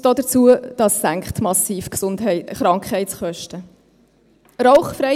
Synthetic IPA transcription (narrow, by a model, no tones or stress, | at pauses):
d̥ɔːdət͡suəd̥ɑsːæŋkχtmɑsiːfksʊndɦɛχɾɑŋkʰχhɛɪtsχœʃtə | ɾɔʊχfɾɛ